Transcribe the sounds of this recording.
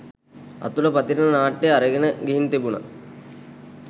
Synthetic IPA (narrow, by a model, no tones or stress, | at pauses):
ɐ̰t̪ulɐpɐt̪iɾinɐnaːʈːeɐɾɐɡɐnəɡiɦint̪ebunɐ̰